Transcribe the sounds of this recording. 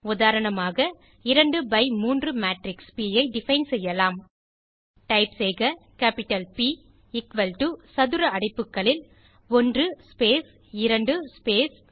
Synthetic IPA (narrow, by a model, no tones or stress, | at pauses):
ʊðaːɾɐɳɐmaːɣɐ | ɪɾɐɳɖɯbɐɪmuːndrɯmaːʈɾɪkspiːjɐɪɖɪfɐɪnsɛjːɐlaːm | ʈɐɪpsɛjɣɐkaːpɪʈːɐlpiː | ɪkʋɐlʈusɐðɯɾɐɐɽɐɪpːɯkːɐɭɪl | ɔndrɯspeːs | ɪɾɐɳɖɯspeːs